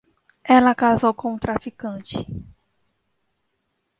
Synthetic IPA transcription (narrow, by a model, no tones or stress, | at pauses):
ɛlɐkazowkõw̃ʊ̃t̪ɾafikɐ̃t͡ʃɪ̥